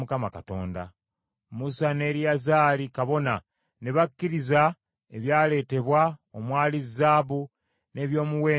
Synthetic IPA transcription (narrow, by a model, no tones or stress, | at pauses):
mukamakato̞̰ːnda̰ | musane̞ːɾiazaːlikaβo̞na | neβakːiɾiza | eβjaːle̞ːte̞βwaomwaːlizːaːβu | ne̞ːβjo̞ːmuwe̞ː